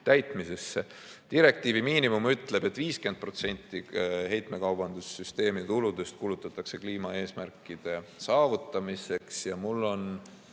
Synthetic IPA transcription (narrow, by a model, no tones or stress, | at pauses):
t̪æjt̪ˑmise̞sːe | t̪iɾe̞k̚t̪ˑiːvimiːnimumyt̪ːˑle̞b̥e̞t̪ːˑviːske̞nd̪̚pro̞t̪se̞nʲt̪ːˑiɦe̞jt̪ˑme̞kɑwbɑnd̪̥usːyst̪e̞ːmit̪ulud̪est̪̚kulut̪ːˑɑt̪ːˑɑkse̞kliːmɑe̞ːsmærkːˑid̪̥e̞sɑːvut̪ːˑɑmise̞ksjɑmulːo̞n